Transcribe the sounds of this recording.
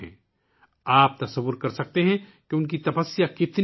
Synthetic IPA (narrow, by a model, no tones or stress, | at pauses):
ɛ̰̃ː | aːp̚t̪ɐsɐʋːʊɾkɐɾsɐk̚t̪eɦɛ̃keʊnk̬it̪ɐpəsːijakɪt̪n